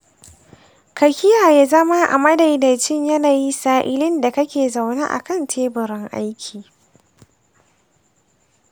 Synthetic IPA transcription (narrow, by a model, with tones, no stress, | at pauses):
kɐ˨kʲɪ˦jaː˨jaː˦zɐ˦ma˦ʔa̰˨mɐ˦da˨jda˨t͡ʃɪ˦ɲjɐ˦naː˨ji˦saː˦ʔɪ˦lɪ˦nda˨kɐ˦kʲeː˨za˨wna̰ː˦ʔa̰˨kɐ˦ntʰeː˦bʊ˨ɾɪ˦ŋʔa˦jkʲʰiː˨